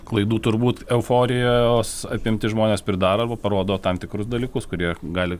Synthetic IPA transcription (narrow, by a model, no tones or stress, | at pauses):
klˠɐɪd̪uːt̪ʊɾbuːt̪ɛʊfoːɾʲɪjojoːsɐpʲɪmʲt̪ʲɪʒmoːnʲeːspʲɾʲɪd̪ɑːɾɐɐɾbɐpɐɾoːd̪oːt̪ɐmt̪ʲɪkɾʊsd̪ɐlʲiːkʊskʊɾʲiɛɡɑːlʲɪ